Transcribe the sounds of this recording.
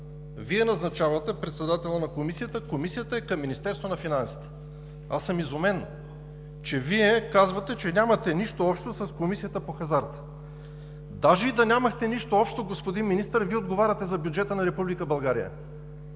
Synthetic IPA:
viɛnɐznɐt͡ʃavɐt̪ɛpɾɛt̪sɛd̪at̪ɛlˠənɐkomisijət̪əkomisijət̪əɛkɐmːinist̪ɛɾst̪vonɐfinansi̥t̪ɛ̥ | asəmizomɛn | t͡ʃɛviɛkazvɐt̪ɛt͡ʃɛnʲamɐt̪ɛniʃt̪oɔpʃt̪osɐskomisijət̪əpoxɐzaɾt̪ | d̪aʒɛid̪ɐnʲamɐxt̪ɛniʃt̪oɔpʃt̪oɡospod̪inminist̪əɾviɛod̪ɡovaɾʲɐt̪ɛzɐbʲjud͡ʒɛt̪ənɐɾɛpublikəbɐlˠɡaɾijə̰

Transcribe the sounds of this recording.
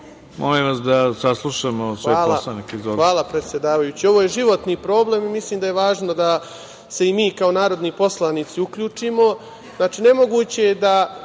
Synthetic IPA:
mʔolimʋasd̪asaslˠuʃamosʋeaːlasanikizoʋaːlˠapɾe̞t̪sʲje̞d̪aːʋajuːt͡ɕio̞ʋojeʒiʋo̞t̪niːpɾo̞ːble̞ːmimisliːmd̪aje̞ʋaːʒno̞d̪a | se̞imiːkao̞naːɾo̞d̪niːpo̞slˠaniːt̪siukʎuːt͡ʂiːmo̞ | znaːt͡ʃiːne̞mo̞ɡuːt͡ɕed̪a

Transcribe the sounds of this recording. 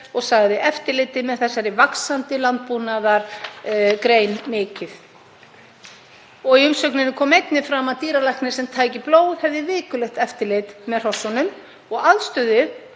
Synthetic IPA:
ɔɣsaɣðɪʔɛft̪ɪlɪt̪ɪmɛðθɛsːajɾɪvaksant̪ɪlant̪̚puːnaðaɾ̥ | kɾeːjnmɪːcɪθ | ɔɣiʏmsœknɪnɪkʰɔːmejt̪nɪfɾamaðt̪iːɾalajhknɪ̥sɛmt̪ʰaːjcɪploːwhɛvðɪvɪːkʏlɛxt̪ɛft̪ɪɾlɪt̪mɛðr̥ɔsɔnʏm | ɔɣaðst̪œðʏ

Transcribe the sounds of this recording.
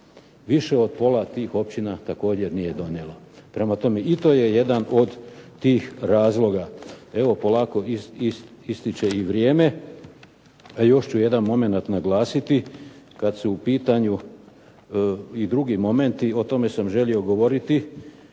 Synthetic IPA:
ʋiʃe̞o̞d̪̚po̞lat̪iːxo̞pt͡ɕinat̪ako̞ːd͡ʑe̞ɾnije̞d̪o̞njelˠa | pɾe̞mat̪o̞me̞it̪o̞je̞je̞d̪ano̞d̪t̪iːxɾaːzlˠo̞ɡae̞ʋo̞po̞laːko̞iiist̪it͡ʃe̞iʋɾje̞ːme̞ | ajo̞ʃt͡ɕuje̞d̪anmo̞me̞nat̪naɡlˠaːsit̪i | kad̪suupiːt̪aɲu | id̪ɾuɡimo̞me̞nt̪io̞t̪o̞me̞samʒe̞lio̞ɡo̞ʋo̞ɾit̪i

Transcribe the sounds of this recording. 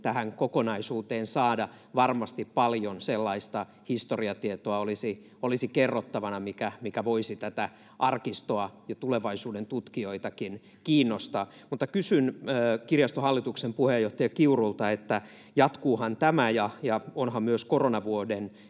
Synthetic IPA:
t̪æhæŋkokonɑisuːt̪eːnsɑːdɑ | ʋɑrmɑst̪ippɑljonselːɑist̪ɑ | hist̪oriɑt̪iet̪oɑolisi | olisikerːot̪ːɑʋɑnɑmikæmikæʋoisit̪æt̪æ | ʔɑrkist̪oɑjɑt̪uleʋɑisuːdent̪ut̪kioit̪ɑkin | kiːnːost̪ɑː | mut̪ːɑkysynøːkirjɑst̪ohɑlːit̪uksempuhejːoht̪ɑjɑkiurult̪ɑet̪ːæ | jɑt̪kuːhɑnt̪æmæjɑjɑonhɑmmyøskoronɑʋuoden

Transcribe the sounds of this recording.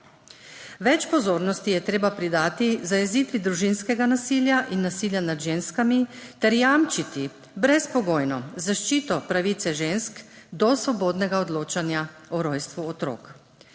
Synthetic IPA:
ʋɛt͡ʃpɔzoːɾnɔst̪ijɛt̪ɾeːbapɾid̪aːt̪izajɛziːt̪ʋid̪ɾuʒinskɛɡanasiljaʔinːasiːljanad̪ʒeːnskamit̪ɛɾjamt͡ʃit̪i | bɾɛspɔɡoːjnɔzaʃt͡ʃiːt̪ɔpɾaʋiːt̪sɛʒenskd̪ɔsʋɔboːd̪nɛɡaɔd̪loːt͡ʃanjaɔɾɔjst̪ʋuɔt̪ɾo̰ːk

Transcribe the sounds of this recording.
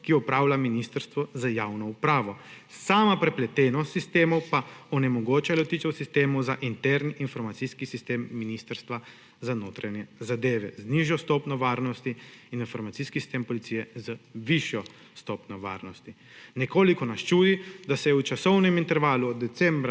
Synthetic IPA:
kiɔpɾaːwlaminist̪əɾst̪ʋɔzajaːwnɔupɾaːʋɔ | saːmapɾɛplɛt̪eːnɔt̪sist̪eːmɔwpaɔnɛmɔɡoːt͡ʃalɔt̪iːt͡ʃɛwsist̪eːmɔwzaʔint̪ɛɾniʔinfɔɾmat̪siskisist̪eːmːinist̪əɾst̪ʋa | zanoːt̪ɾanjɛzad̪eːʋɛzniʒjɔst̪ɔːpnɔʋaːɾnɔst̪iininfɔɾmat̪siski̥si̥st̪eːmpɔlit̪sijɛzʋiʃjɔ | st̪ɔːpnɔʋa̰ːɾnɔst̪i | nɛkoːlikɔnast͡ʃuːd̪id̪asɛjɛut͡ʃasɔwnɛmint̪ɛɾʋaːluɔd̪ːɛt̪sɛmbɾ

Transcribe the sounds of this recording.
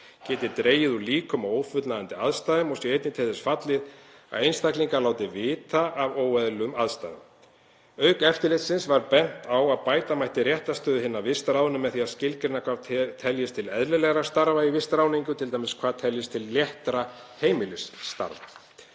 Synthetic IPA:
cɛːt̪ɪt̪ɾeːjɪðuliːkʏmawoːwfʏt̪naðant̪ɪaðst̪aːðʏmɔsjɛejt̪nɪt̪ʰɛːðɪsfat̪lɪða̰ðejnst̪akliŋkalaːwt̪ɪvɪːt̪aʔːvoːwɛðlʏmaðst̪a̰jðʏ̰m | œːɥkɛft̪ɪɾlɪt̪sɪnsvaɾpɛn̥t̪awaðpaːjt̪amajht̪ɪrjɛht̪ast̪œːðʏɦɪnːavɪst̪ɾaːwðnʏmːɛðθiaðscɪlkɾɪnakʰvat̪ʰɛljɪst̪ʰɪlɛðlɪlɛɣɾast̪aɾvaivɪst̪ɾaːwniŋkʏt̪ʰɪlajmɪskʰvaːðt̪ʰɛljɪst̪ʰɪlːjɛht̪ɾa | heːjmɪlɪsːt̪a̰ɾva

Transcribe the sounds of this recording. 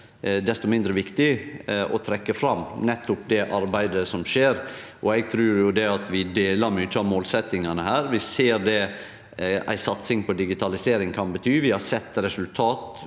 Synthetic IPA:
d̪ɛst̪ʊmɪnd̪ɾəʋɪkt̪ɪʔɔt̪ʰɾɛkːəfɾɑmːnɛt̪ːʊp̚d̪ɛʔɑɾbæɪd̪əsɔmʃeːɾʔɔɛɡ̚t̪ʰɾʉːɾjʊd̪ɛɑt̪ʰʋɪd̪eːlɑɾmyt͡ʃːəɑʋmoːlsɛt̪ːɪŋɑnəhæːɾʋɪseːɾd̪ɛ | ʔæ̰ɪsɑt̪sɪŋpʰɔd̪ɪɡɪt̪ʰɑlɪseːɾɪŋkʰɑnbət̪ʰyːʋɪhɑɾsɛt̪ːɾɛsʉlt̪ʰɑːt̪

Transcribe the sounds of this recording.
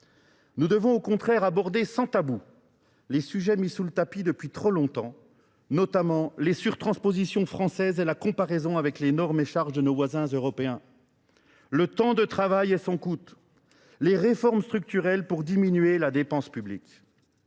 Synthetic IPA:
nud̪əvɔ̃okɔ̃t̪χɛʁabɔʁd̪esɑ̃t̪abu | lesyʒɛmisulət̪apid̪əpɥit̪χolɔ̃t̪ɑ̃ | nɔt̪amɑ̃lesyʁt̪χɑ̃spozisjɔ̃fχɑ̃sɛzɛlakɔ̃paʁezɔ̃avɛklenɔʁmeʃaʁʒd̪ənovwazɛ̃zøʁɔpeɛ̃ | lət̪ɑ̃d̪ət̪χavajɛsɔ̃kut̪ | leʁefɔʁmst̪χyk̚t̪yʁɛlpuʁd̪iminyɥelad̪epɑ̃spyblik

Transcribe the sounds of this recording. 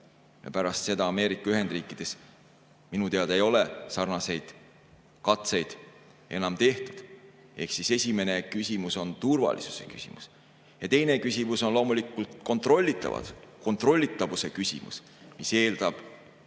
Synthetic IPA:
jɑ̰pæɾɑst̪se̞d̪ɑːme̞ːɾikːˑɑyɦe̞nd̪̥riːkːˑid̪̥e̞s | minut̪eɑd̪ejo̞le̞sɑrnɑse̞jd̪̥ | kɑt̪se̞jd̪̥ | e̞nɑmt̪e̞ht̪ud̪̥ | e̞̰hksise̞sʲime̞ne̞kysʲimuso̞nt̪urvɑ̰lḭsu̥se̞̰kysʲḭmus | jɑt̪e̞jne̞kysʲimuso̞nlo̞ːmulikːˑult̪ko̞nt̪ˑro̞lʲːit̪ːˑɑ̰vɑ̰ko̞nt̪ro̞lʲːit̪ːˑɑvuse̞kysʲḭmṵs | mise̞ːld̪̥ɑb̥

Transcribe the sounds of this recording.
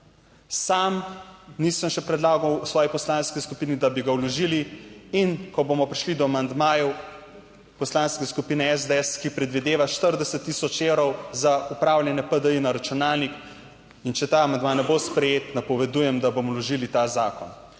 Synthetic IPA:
samnisəmʃɛpɾɛd̪laːɡɔwsʋɔːjipɔslaːnskiskupiːnid̪abiɡawlɔʒiliinkɔboːmɔpɾiʃlid̪ɔamand̪maːjɔ | pɔslaːnskeskupiːnɛɛzd̪eɛskipɾɛd̪ʋid̪eːʋaʃt̪əɾd̪ɛsət̪ːisɔt͡ʃewɾɔwzaupɾaːwlʲjɛnɛpəd̪əinaɾat͡ʃunaːlnik | int͡ʃɛt̪aːɐmand̪maːnɛbospɾɛjeːt̪napɔʋɛd̪uːjɛmd̪abomɔlɔʒilit̪azaːkɔn

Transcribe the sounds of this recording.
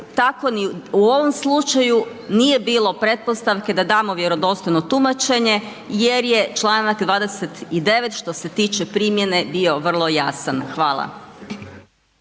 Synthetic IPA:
t̪ako̞niuo̞ʋo̞mslˠut͡ʃaju | nije̞biːlˠo̞pɾe̞t̪̚po̞st̪aʋke̞d̪ad̪aːmoʋje̞ɾo̞d̪o̞st̪ojno̞t̪umat͡ʃe̞ɲe̞ | jeɾje̞t͡ʃlˠaːnakd̪ʋaːd̪e̞se̞t̪id̪e̞ʋe̞t̪ʃt̪o̞se̞t̪iːt͡ʃe̞pɾiːmje̞ne̞bio̞ʋr̩lˠo̞jasanxʋaːlˠa̰

